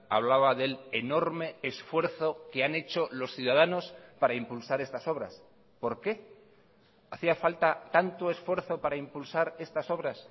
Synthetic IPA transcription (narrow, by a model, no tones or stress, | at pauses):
a̰β̞laβaðe̞leno̞ɾme̞esfwe̞ɾθo̞ke̞ane̞t͡ʃo̞lo̞sθjuðað̞ano̞spaɾaimpulsaɾe̞st̪aso̞β̞ɾa̰s | po̞ɾke̞ | aθiafalt̪at̪ant̪oe̞sfwe̞ɾθo̞paɾaimpulsaɾe̞st̪aso̞βɾas